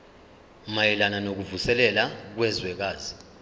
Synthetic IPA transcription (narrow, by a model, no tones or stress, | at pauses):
majɛlananok̬uvusɛlɛlak̬wɛzwɛk̬aːzi